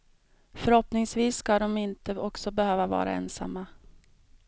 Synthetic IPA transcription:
fœɾhɔpnɪŋsviːsːkad̪ɔmɪnt̪əɔksɔbɛhøːvavɑ̰ːɾa̰ɛ̰ːnsa̰mːa

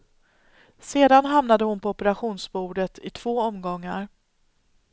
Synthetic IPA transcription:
seːd̪anɦamnad̪əhʊnpʰɔɔpəɾaɧuːnsbuːɖət̪ʰɪt̪ʰv̥oːɔmɡɔŋːaɾ

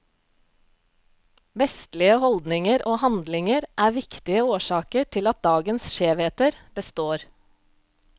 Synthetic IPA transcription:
ʋɛst̪lɪəhɔld̪nɪŋəɾʔoːhɑnd̪lɪŋəɾʔæːʋɪkt̪ɪəoːʃɑːkəʈʰɪlɑt̪̚d̪ɑːɡənsʃeːʋheːt̪əɾb̥əst̪oːɾ

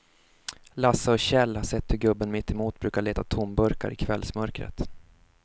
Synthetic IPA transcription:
lasːaɔɕɛlːhaʂɛt̪ːhɵɾɡɵbːənmɪt̪ʰːɛmuːt̪̚bɾʉ̟ːkaɭeːt̪at̪ʰʊmbɵɾka̰ɾʔɪkʰvɛlsmœɾkɾə̰t̪

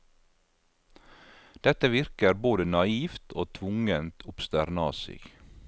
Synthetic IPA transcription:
d̪̥ɛt̪əʋɪɾkəɾboːd̪ənɑiːft̪ʰo̰ːt̪ʰʋʊŋənt̪ʰʊpst̪æɾnɑːsɪ̰ɡ̥

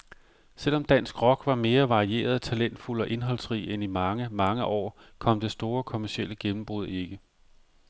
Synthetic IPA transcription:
sel̰ɒ̽md̥æn̰sɡ̥ʁɒ̽ɡ̥ʋɑ̈me̝ːɐʋɑ̈ʁie̝̰ːɐðˠɒt͡sʰælen̰d̥fulɒ̽ʔe̝nɦɒ̽l̰sʁḭːenimɑ̈ŋəmɑ̈ŋəʔɒ̰ːkʰɒ̽m̰d̥e̝sd̥o̝ːɐkʰo̝mæɐsiel̰əɡ̥enm̩b̥ʁuð̞̰ˠe̝ɡ̥ə

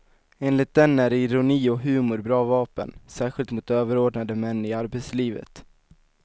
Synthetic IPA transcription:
eːnlɪt̪̚d̪ɛnːæɾɪɾʊniːɔɦʉ̟ːmʊɾbɾɑːvɑːpə̰nsæːɧɪlt̪mʊt̪øːvəɾoːɖɳad̪əmɛnːɪaɾbet̪sliːvə̰t̪

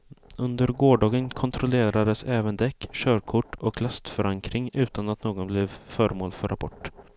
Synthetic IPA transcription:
ɵnd̪əɾɡoːɖɑːɡənkʰɔnt̪ʰɾɔleːɾad̪əsɛːvənd̪ɛkːɕœːɾkʰʊʈːɔklast̪fœɾaŋkɾɪŋʉ̟ːt̪anat̪noːɡɔnblɛvfœːɾəmoːlfœɾʔa̰pʰɔʈː

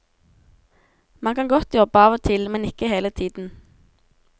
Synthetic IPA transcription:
mɑnkʰɑnɡɔt̪jɔbəɑːʋoːt̪ʰɪlmɛnɪkəheːlət̪ʰiːd̪n̩

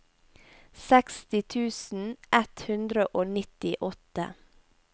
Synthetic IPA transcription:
sɛkst̪ɪt̪ʰʉːsn̩ʔɛt̪hʉnd̪ɾəʔoːnɪt̪ɪʔɔt̪ə̰

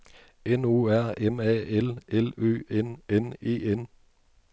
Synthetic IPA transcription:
enuːæɐ̰emɛ̰ːelelø̰ːenene̝̰ːen

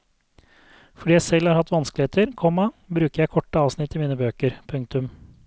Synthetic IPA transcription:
fɔɖiːjæɪsɛlhɑːɾhɑt̪ːʋɑnskəlɪheːt̪ʰəɾkʰɔmːɑbɾʉːkəjæɪkʰɔʈːəɑːʋsnɪt̪ːɪmiːnəbøːkəɾpʰʉŋkt̪ʉm

